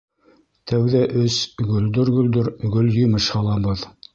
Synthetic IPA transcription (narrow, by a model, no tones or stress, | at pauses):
t̪ʰæwðæʔɵsɡɵ̆ld̪ɵɾɡɵ̆ld̪ɵɾɡɵljɵ̆mɤʃhɑlˠɑbɤð